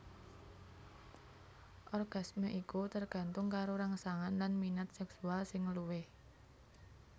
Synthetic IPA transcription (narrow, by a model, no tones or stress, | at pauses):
ʔɔrɡ̥a̤smeʔikut̪ərɡ̥ä̤nt̪ʊŋkaɾoɾaŋsaŋanlanminat̪̚sɛksualsɪŋluwɪh